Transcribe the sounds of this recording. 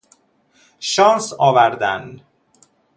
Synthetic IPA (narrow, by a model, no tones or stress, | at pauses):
ʃɒːnsɒːvæɾd̪æn